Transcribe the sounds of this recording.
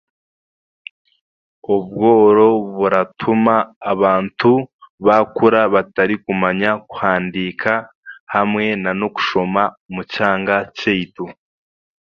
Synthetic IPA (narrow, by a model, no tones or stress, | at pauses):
ob̚ɡoːɾo̞βuɾatʰumaːβaːntʰuβakuɾaβataɾikumaɲakw̥haːndikʰa | hamŋe̞nanoku̥ʃo̞mamucaːŋɡaceitu